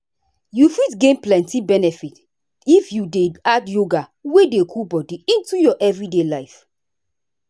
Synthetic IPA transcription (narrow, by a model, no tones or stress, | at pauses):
jufitɡẽnplɛ̃ntibɛnɛfit | ifjudeadjoɡawedekʰubɔdiĩntujɔʔɛvɹidelaɪf